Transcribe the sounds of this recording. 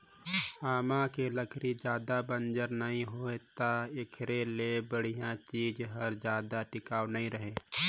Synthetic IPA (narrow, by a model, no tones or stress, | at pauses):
haːmãkeləkʰɾid͡ʒjaːd̪abə̃nd͡ʒəɾnəɦĩɦoːet̪aɪkʰɾelebəɽ̤ijãt͡ʃiːd͡ʒɦəɾd͡ʒjaːd̪aʈɪkaːwnəɦĩɾəɦeː